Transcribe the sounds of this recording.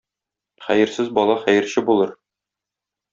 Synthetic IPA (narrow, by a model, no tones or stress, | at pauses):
χæjɘ̆ɾsɘzbɒlˠɑχæjɘ̆ɾɕɘbulˠɤɾ